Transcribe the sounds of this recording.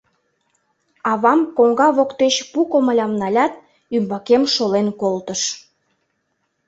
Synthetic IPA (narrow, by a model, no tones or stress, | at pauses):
ɑβɑmkoŋɡɑβokt̪eɕpukoməlʲɑmnɑlʲɑt̪̚ | ymbɑkemʃolenkolt̪əʃ